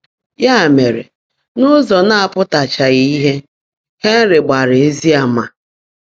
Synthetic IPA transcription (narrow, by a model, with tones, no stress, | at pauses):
ja˦˨me˨ɾḛ˨ | nʊ˦zɔ˨na˦a˦˨pʊ˦ta˨t͡ʃa˨ɣɪ˨i˦ɦe˦ | he˦n̩˦ɾɪ˨ɡ͡ba˨ɾɪ˨e˦zi˦a˨˦ma˨